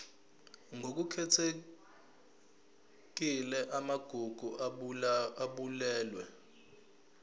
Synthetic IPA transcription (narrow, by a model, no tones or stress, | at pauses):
ŋok̬ukʰɛtʰe | k̬ilɛʔamaɡ̥ʱuɡ̥ʱu | aɓulɛːlwɛ